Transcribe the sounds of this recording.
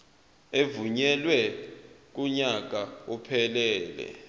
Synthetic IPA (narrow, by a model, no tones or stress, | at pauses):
evuɲɛlwɛ | k̬uɲak̬aupʰɛlɛːlɛ̰